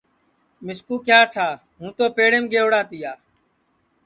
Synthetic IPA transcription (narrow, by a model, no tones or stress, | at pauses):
mɪskuːkjaːʈʰaː | ɦũːt̪oːpeːɽeːmɡeːoɽaːt̪iːjaː